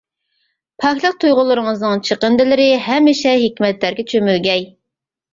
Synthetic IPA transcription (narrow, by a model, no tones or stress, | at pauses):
pʰɑkʲlˠɨq̚t̪ʰujʁʊlˠɨɾɨŋəznɨŋt͡ʃʰəqənd̪ɪlɪɾɪɦɛmːɪʃɛɦɪkʲmɛt̪læɾɡʲɛt͡ʃʰømylɡʲɛj